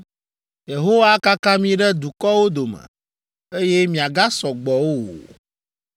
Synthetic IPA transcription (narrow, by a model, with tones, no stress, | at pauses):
je˨ɦo˦wa˦ka˦kã˦mĩ˦ɖɛ˦d̪u˨kɔ˦wo˦d̪o˨mɛ̰̃˨ | e˦je˦mĩ˨a˨ɡa˦sɔ˨ɡ͡bɔ˨wo˦wo̰˨